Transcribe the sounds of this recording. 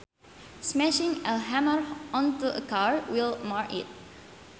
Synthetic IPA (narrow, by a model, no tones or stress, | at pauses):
smɛʃɪ̃ŋəlɦæməɹʔɔ̃nt̪uʔəkaɹwɪlˠmaɹkɪt̚